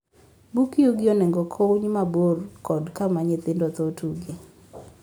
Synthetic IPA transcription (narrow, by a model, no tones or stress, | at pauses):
bukiuɡɪɔnɛŋɡɔkʰouɲmaborkɔdkamaɲɪt̪ɪndɔt̪otuɡe